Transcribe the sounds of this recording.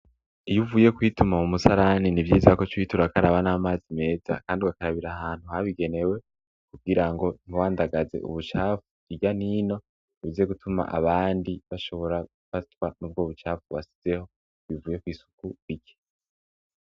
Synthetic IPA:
ijuvuːje̞kwiːtumamumusaɾaninivjiːzakot͡ʃuwiːtuɾakaɾaβanaːmaːzime̞ːz̥a̰kaːndiwakaɾaβiɾaɦaːn̥huhaβiɡe̞ne̞we̞ | kuɡiɾaŋɡo̞n̥iwaːndaɡaze̞̰ʔṵβut͡ʃaːfuiɟanino̞ | uβizeɡutʰuma̰ʔa̰βaːndiβaʃo̞βo̞ɾaɡ̥ufatwanub̚ɡoːβut͡ʃaːfuβasi̥z̥e̞ho̞ | βivuːje̞kwiːsu̥kuβiɟe̥

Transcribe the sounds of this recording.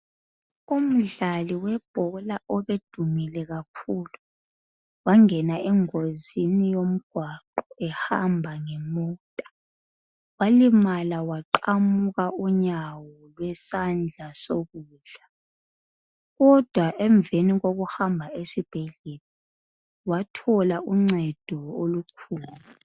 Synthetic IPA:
um̩ɮaliwɛb̥ʱɔlaʔɔβed̥ʱumilɛɣakʰuːlu | waŋɛnaɛŋozinijom̩ɡ̥ʱwaǃɔɛhambʱaŋɛmɔːtʼḁ | walimalawaǃamuɣauɲawɔlwɛsand͡ɮʱasoɣuːɮa | ɣɔd̥ʱwaʔɛɱveniɣoɣuhambʱaʔesib̥ʱɛɮela | watʰɔlaʔuŋ͡ǀɛd̥ʱɔolukʰuːlu

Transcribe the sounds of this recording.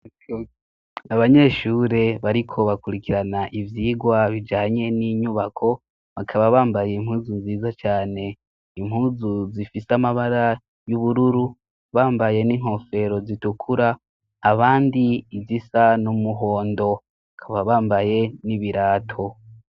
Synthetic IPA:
aβaɲe̞ʃuːɾe̞βaɾikʰo̞βakuɾikiɾanaʔivjiːɡwaβid͡ʒaːɲe̞niɲuβakʰo̞ | βakʰaβaβaːmbaje̞im̥huːzunziːzat͡ʃaːne̞ | im̥huːzuzifisamaβaɾa | juβuɾuɾu | βaːmbaje̞niːŋ̥ho̞fe̞ɾo̞zitukʰuɾaː | βaːndiːzisanumuɦo̞ːndo̞ | akʰaβaβaːmbaje̞niβiɾaːtʰo̞

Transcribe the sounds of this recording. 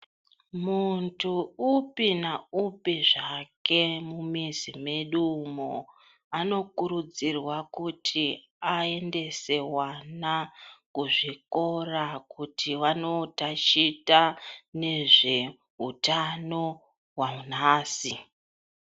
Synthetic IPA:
muntʰuupinaupiʐake̞mumizimeɗumo | ano̞kuɾud͡zirwakutʰi | ae̞nde̞se̞wanakuʐiko̞rakutʰiwano̞tat͡ʃitane̞ʐe̞ | ɦutano̞ | wanaːsi

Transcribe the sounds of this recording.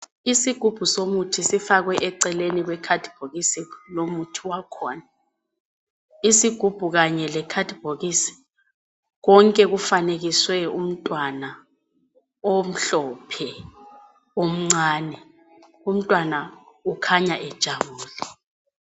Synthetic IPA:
isiɡ̥ʱub̥ʱusomutʰisifaɣwɛʔɛǀɛleniɣwɛkʰad̥ʱib̥ʱoɣisilomutʰiwakʰɔːna | isiɡ̥ʱub̥ʱuɣaɲɛlɛkʰad̥ʱib̥ʱoɣisi̥ | ɣɔŋkʼɛɣufaneɣiswɛum̩tʼwana | om̩ɬɔpʰɛ | om̩ŋ͡ǀaːnɛ | um̩tʼwanaukʰaɲaʔɛd̥ʒ̥ʱaβuːla

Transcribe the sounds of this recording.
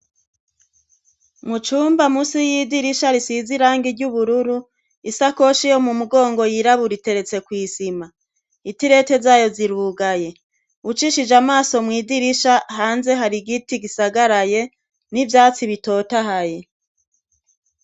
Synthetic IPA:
mut͡ʃuːmbamusijidiɾiʃaɾisiziɾaːŋɡiɾɟuβuɾuɾu | isako̞ʃijo̞mumuɡo̞ːŋɡo̞jiɾaβuɾite̞ɾe̞t͡se̞kwiːsima | itiɾe̞te̞zaːjo̞ziɾuːɡaje̞ | ut͡ʃiʃid͡ʒamaːso̞mŋiːdiɾiʃahaːnze̞ɦaɾiɡitiɡisaɡaɾaje̞ | nivjaːt͡siβito̞ːtaɦaje̞

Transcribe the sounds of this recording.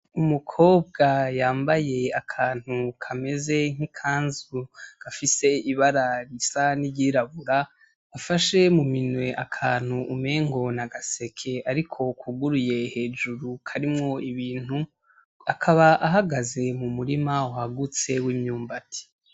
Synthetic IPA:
umukʰo̞ːbɡajaːmbaje̞akʰaːn̥hukʰame̞ze̞ŋ̥ikʰaːnzuɡ̥afise̞iβaɾaɾisaniɟiːɾaβuɾaː | faʃe̞muminwe̞ʔakʰaːn̥huʔume̞ːŋɡo̞naɡase̞kʰe̞aɾikʰo̞kuɡuɾuje̞he̞ːd͡ʒuɾukʰaɾimŋo̞iβiːn̥u | akʰaβaʔaɦaɡaze̞mumuɾimauhaɡut͡se̞wiːmɲuːmbatʰi̥

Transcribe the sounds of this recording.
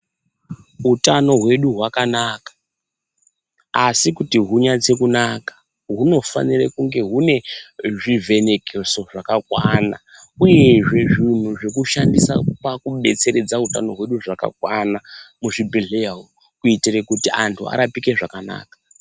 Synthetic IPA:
utano̞ɦwe̞ɗuɦwakanaːkḁ | sikutiɦuɲad͡ze̞kunakḁ | ɦuno̞fa̰nirekuŋɡe̞ɦune̞ʐive̞nekʰeso̞ʐakakwanauje̞ʐe̞ʐin̤uʐe̞kuʃandisapakuɓe̞t͡se̞ɾe̞d͡zautano̞ɦwe̞ɗuʐaka̰kwanamuʐibʱeɮeao | kuitirekutiantʰua̰ɾapike̞ʐakana̰ːkḁ

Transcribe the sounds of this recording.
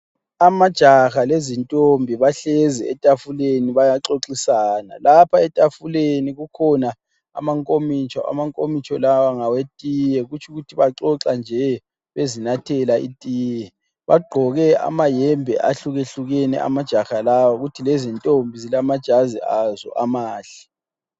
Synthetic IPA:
amad̥ʒ̥ʱaxalezintʼombʱiβaɬɛzɛ̰ɛ̰tʼafuleniβajaǁoǁisaːna̰lapʰaɛtʼafuleniɣukʰɔna | a̰maŋkʼomit͡ʃʰʼɔ̰a̰maŋkʼomit͡ʃʼʰɔlawaŋawetʼijɛɣut͡ʃʰuɣutʰiβaǁɔǁand͡ʒʱɛ | βezinatʰɛlaḭtʼiːjɛ | βaɡ͡ǃʱɔɣɛa̰majɛmbʱɛ̰ʔaɬuɣeɬuɣɛnɛ̰ʔa̰mad̥ʒ̥ʱaxalawaɣutʰilezintʼombʱizilamad̥ʒ̥ʱazḭazɔ̰ʔamaːɬɛ̥

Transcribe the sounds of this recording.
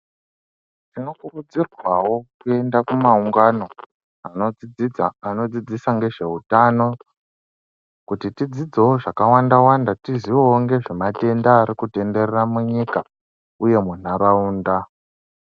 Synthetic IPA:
tino̞kurud͡zirwawo̞kue̞ndakumauŋɡano̞ | anoid͡zid͡zano̞d͡zid͡zisaŋɡe̞ʐe̞utano̞ | kutitid͡zid͡ze̞woʐakawandawandatiziwowoŋɡe̞ʐemate̞ndaːɾikute̞nde̞reramuɲika | uje̞mun̤aɾauːnda

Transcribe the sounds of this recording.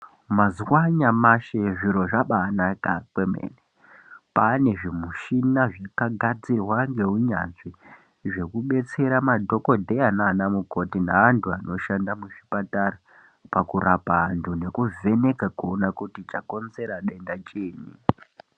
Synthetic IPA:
mazwaɲamaʃe̞ʐiɾo̞ʐaɓaːnakakwe̞mḛːne | pane̞ʐimuʃinaʐakaɡʱad͡zirwaŋɡe̞uɲaʐi | ʐe̞kuɓe̞t͡se̞ɾamadʱo̞ko̞dʱe̞anaːnamuko̞tinaʋantʰuano̞ʃandamuʐipatara | pakurʔapaantʰune̞kuve̞ne̞kakuonakutit͡ʃako̞nze̞ɾaɗendat͡ʃiːni

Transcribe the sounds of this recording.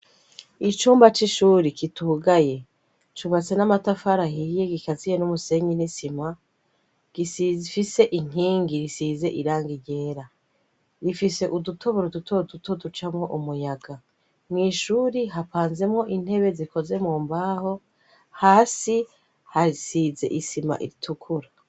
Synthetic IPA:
it͡ʃuːmbat͡ʃiʃuːɾikituɡaje̞ | t͡ʃuβat͡se̞namatafaɾahije̞ɡikazijenumuse̞ɲinisima | ɡ̥isizifise̞ʔiŋ̥iːŋɡiɾisize̞ʔiɾaːŋɡiɟe̞ːɾa | ɾifise̞ʔudutʰo̞βoɾodutʰodutodut͡ʃamŋo̞ʔumujaɡa | mŋiːʃuːɾiɦapaːnze̞mŋo̞ʔin̥he̞βe̞ziko̞ze̞muːmbaːho̞ | haːsi | haɾisize̞̰ʔisima̰ʔḭɾitʰukʰuɾa

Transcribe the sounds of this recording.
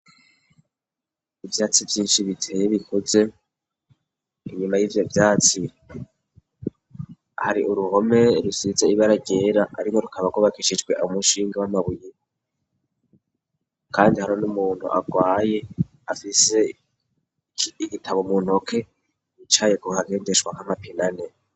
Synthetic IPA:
ivjaːt͡sivjiːnʃiβitʰeβikʰoze̞ | iɲumajiːvjo̞vjaːt͡si | haɾiʔuɾuho̞me̞ɾusizeiβaɾaɟe̞ːɾaa̰ɾimo̞ɾukʰaβaɡwoβakiʃid͡ʒɡwe̞ʔamuʃiːŋɡawamaβuji | kʰaːndihaɾonumuːn̥hṵʔa̰ɡwaːje̞ | afise̞ | iɡitʰaβomuːn̥okʰe̞ | it͡ʃaːjekuhaɡe̞ːndeʃwaŋ̥amapinane

